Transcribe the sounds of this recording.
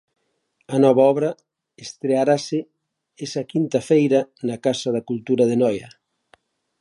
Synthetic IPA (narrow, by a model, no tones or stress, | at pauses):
ɐnɔβ̞aɔβɾɐ | est̪ɾeaɾasɪ | ɛsɐkint̪ɐfejɾɐnɐkasɐð̞ɐkult̪uɾɐðenɔjɐ